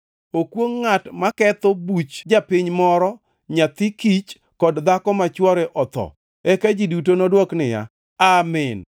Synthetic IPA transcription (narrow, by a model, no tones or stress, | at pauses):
okwoŋːatmakɛt̪obut͡ʃd͡ʒapiɲmɔɾɔ | ɲat̪ikit͡ʃ | kɔdd̪akɔmat͡ʃwɔɾɛʔɔt̪ɔ̰ | ɛkad͡ʒidutonɔdwɔknɪja̰ | amɪn